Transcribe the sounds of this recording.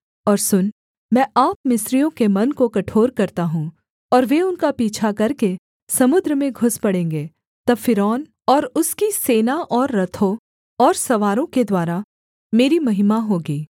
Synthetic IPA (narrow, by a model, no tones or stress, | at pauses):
ɔːɾsʊn | mɛ̃ːʔaːpmɪsɾijõkemɐnkokɐʈʰoːɾkɐɾt̪aɦũː | ɔːɾʋeʊnkapiːt͡ʃʰakɐɾke | sɐmʊd̪ɾəmẽɡʱʊspɐɽẽːŋɡeː | t̪ɐbfɪɾɔːn | ɔːɾʊskiseːnaʔɔːɾːɐt̪ʰõ | ɔːɾsɐʋaːɾõked̪waːɾa | meːɾimɐɦɪmaɦoːɡiː